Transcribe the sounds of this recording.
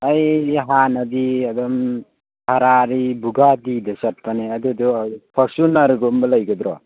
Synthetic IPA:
ajɦanad̪iad̪ɔm | hʰaɾaɾibuɡad̪id̪ɯsat̚panead̪id̪upʰɔɾsunaɾɡɔmbɯlajɡɯd̪ɾɔ

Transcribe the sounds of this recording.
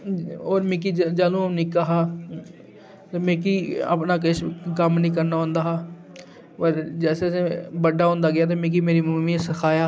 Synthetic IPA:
oːɾmẽːk̬iːd͡ʒaːlõːnĩːkəɦaː | t̪emẽːk̬iːə̰ːpnaːk̬ɪʃkəmnĩːkəɾnaːɦõːnd̪aːɦaː | pəɾd͡ʒɛːseːsebəɖaːɦõːnd̪aːɡɪjaːt̪̬eːmẽːk̬iːmeːɾiːmuːmĩːsəkʰaːjaː

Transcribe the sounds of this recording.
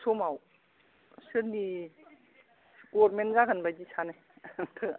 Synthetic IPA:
somaw | sɯɾni | ɡɔɾmenzaɡanbajdisʰanaj | tʰɯ

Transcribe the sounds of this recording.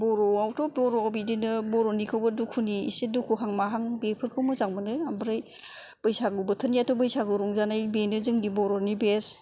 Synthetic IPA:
bɔɾɔawtʰɔbɔɾɔawbidinɯbɔɾonikʰɯwbɯdukʰuniḭsedukʰuɦaŋmaɦaŋbepʰɯɾkʰɯwmɯzaŋmɯnɯambɯɾaj | b̥ɯjsaɡɯwbɯtʰɯnjatɔbɯjsaɡɯɾuŋzanajbenɯzɯŋnibɔɾɔnibes

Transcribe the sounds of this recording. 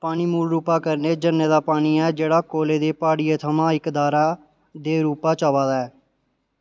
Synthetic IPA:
paːniːmuːlɾuːpaːkəɾneːd͡ʒənːeːd̪aːpaːɽiːɛːd͡ʒeːɽaːkoːleːd̪eːpaːɽɪeːt̪ʰəmãːɪkd̪aːɾaː | d̪eːɾuːpaːt͡ʃaːʋaːd̪aːɛː

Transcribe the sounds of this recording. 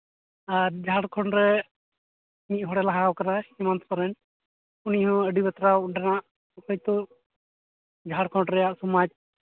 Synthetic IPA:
aɾd͡ʒʱaɽkʰɔɳɾɛ | mit̪̚ɦɔɽɛlaɦawkanahimant̪pɔɾɛn | uniɦɔ̃əɖibɛt̪ɾauɳʈɛnaʔ | kɔjt̪ɔ | d͡ʒʱaɽkʰɔɳɾɛjaʔsɔmad͡ʒ̚

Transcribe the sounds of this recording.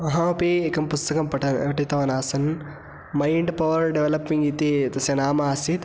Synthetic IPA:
ɐɦãɐpeekɐmpust̪ɐkɐmpɐʈɐɐʈit̪ɐʋɐnaːsɐn | mɐjɳɖpɐʋɐɾɖeʋelɐpːiŋɡit̪et̪ɐsjɐnaːmaːsit̪

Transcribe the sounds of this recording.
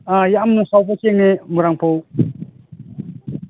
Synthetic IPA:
ajamnusawpʰakeŋnemuɾaŋpʰow

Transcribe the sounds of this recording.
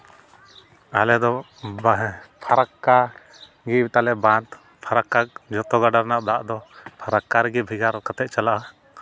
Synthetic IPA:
alɛd̪ɔ | pʰaɾakːa | ɡibɛt̪alɛbãnt̪ | pʰaɾakːak̚d͡ʒɔt̪ɔɡaɖaɾnaʔd̪aʔd̪ɔpʰaɾakːaɾɛɡibʱiɡaɾkat̪ɛʔ̪̚t͡ʃalaʔa

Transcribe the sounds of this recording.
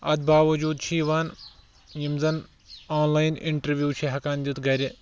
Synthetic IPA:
ɐd̪̚baːʋɐd͡ʒuːd̪̚t͡ʃʰiːʋaːn | jimzɐn | aːnlaːjnʔɪ̰ɳʈɐɾʋjuːt͡ʃʰiɦɐkaːnd͡ʒit̪ɡɐɾʲi

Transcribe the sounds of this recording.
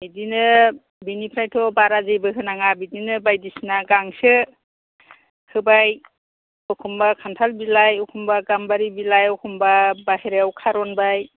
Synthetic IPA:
bidinɯ | binipʰɾajtʰɔbaɾazejbɯɦɯnaŋabidinɯbajdisnaɡaŋsɯ | kʰɯbaj | ɔkʰumbakʰantʰalbilajɔkʰumbaɡambaɾibilajɔkʰumbabaheɾeawkʰaɾɔnbaj

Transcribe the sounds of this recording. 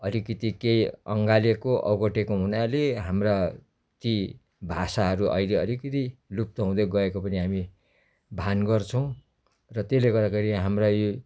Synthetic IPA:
ʌlikʌt̪ikejʌŋɡalekoʔʌ̰ɡoʈekoɦunaleɦamra | t̪i | bʱasaɦʌɾuʔʌ̰jleʌlikʌt̪ilup̚t̪ʌɦũd̪ʌɡʌekopʌniɦami | bʱanɡʌrt͡sʰʌw̃ | rʌt̪eleɡʌɾakʌɾiɦamrajo

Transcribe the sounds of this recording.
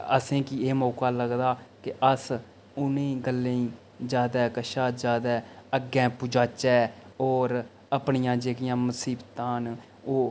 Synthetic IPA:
ə̰sẽːkieːmɔːkaːləɡd̪aːkɪʔəs | ʊnẽːɡəlːeːĩː | d͡ʒjaːd̪ɛːkəʃaːt̪d͡ʒjaːd̪ɛːəɡɛ̃ːpʊd͡ʒaːt͡ʃɛːɔːɾ | əpɳɪjãːd͡ʒeːkɪjãːməsiːbt̪ãːn | oː

